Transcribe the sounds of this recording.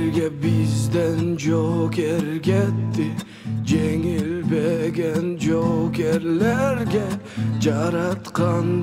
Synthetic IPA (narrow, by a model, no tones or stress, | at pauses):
ɾɡʲabɪzd̪and͡ʒoɡʲeɾɡʲat̪ːɪ | d͡ʒeŋɪlbeɡʲænd͡ʒoɡʲeɾlæɾɡʲad͡ʒɑɾɑt̪qʰɑn